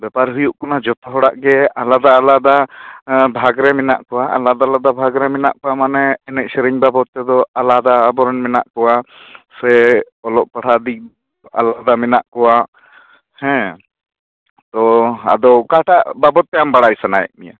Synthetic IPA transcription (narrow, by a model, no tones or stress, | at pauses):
bɛpaɾɦujuʔkɔnad͡ʒɔt̪ʰɔɦɔɽaʔɡɛalad̪aːlad̪a | bʱaɡɾɛmɛna̰ʔkɔwaʔa̰lad̪alad̪abʱaɡɾɛmɛna̰ʔkɔwamanɛːnɛc̚sɛɾiɲbabɔt̪ːɛd̪ɔalad̪aːbɔɾɔnmɛna̰ʔkɔwasɛ | ɔlɔʔpaɽʰad̪i | a̰lad̪amɛnaʔkɔwa | hɛ̃ | t̪ɔa̰d̪ɔwkaʈaʔbabɔt̪̚ːɛjambaɽajsanajɛ̰ʔ̚mija̰